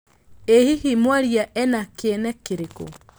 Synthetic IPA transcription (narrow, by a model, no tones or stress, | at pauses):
ehihimwaɾjaʔɛnakenɛkeɾeko̰